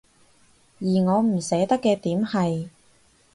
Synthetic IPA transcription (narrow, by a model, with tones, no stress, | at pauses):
jiː˨˩ŋɔː˨˧m̩˨˩sɛː˨˥t̪ɐ˥kːɛː˧t̪iː˨˥mhɐ˨j